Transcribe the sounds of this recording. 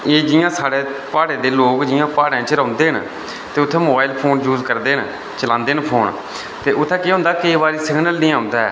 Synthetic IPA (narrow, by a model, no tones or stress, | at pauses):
eːd͡ʒɪjãːsaːɽeːpaːɽeːd̪eːloːkd͡ʒɪjãːpaːɽãːt͡ʃəɾə̃ʊnd̪eːɦən | t̪eːʊt̪ʰːɛ̃ːmoːbaːɪlpʰoːnjuːzkəɾd̪eːɦn | t͡ʃəlãːnd̪eːnpʰoːn | t̪eːʔʊt̪ʰːɛ̃ːkɪɦõnd̪aːkəiːbaːɾiːsɪɡnəlnĩːãːʊnd̪aɛ̰ː